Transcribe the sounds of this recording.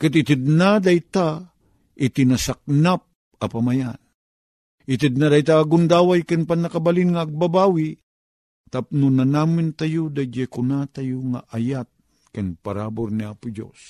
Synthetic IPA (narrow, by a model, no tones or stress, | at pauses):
kat̪it̪ɪd̪̚nad̪ajt̪a | it̪inasak̚nap̚ | ɐpamajan | ʔit̪əd̪nad̪ajt̪aːɡʊnd̪awajkanpanakabalinŋaːɡ̚babawi | t̪ap̚nunanamɪnt̪ajud̪ad͡ʒɛkʊnat̪ajuŋa̰ʔajat̪̚ | kanpaɾabʊɾniapʊd͡ʒo̰s